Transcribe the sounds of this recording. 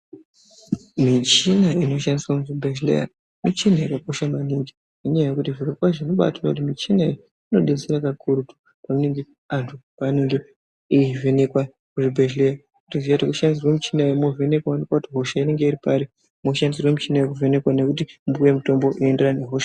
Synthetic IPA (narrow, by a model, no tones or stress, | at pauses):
mit͡ʃinaino̞ʃandiswakuʐibʱeʃlḛja̰ | mit͡ʃinajikako̞ʃamaniki̥ | uɲaajekutiʐikekwaʐino̞ɓa̰tanakut̬imit͡ʃina | ino̞ɗeseɾakakuɾutu̥ | pamuneŋɡe | antʰupaneŋɡe | iivʱe̞nekwa | kuʐibʱeʒleja | kutizijatokuʃandis̬irwemut͡ʃinajomove̞ne̞kwawanikwakutiɦo̞ʃaine̞ŋɡe̞iɾipaɾi | mo̞ʃandis̬irwemit͡ʃinajokuve̞ne̞kwane̞kutimbuje̞muto̞mbo̞ʔie̞nde̞rane̞ɦoʃḁ